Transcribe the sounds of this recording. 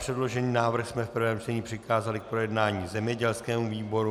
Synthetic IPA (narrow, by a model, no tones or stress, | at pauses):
pr̥ɛdlo̞ʒɛniːnaːvr̩xsmɛfpr̩vɛːmt͡ʃt̪ɛɲiːpr̥ɪkaːzalɪk̚pɾo̞jɛdnaːɲiːzɛmɲɛɟɛlskɛːmuviːbo̞ɾu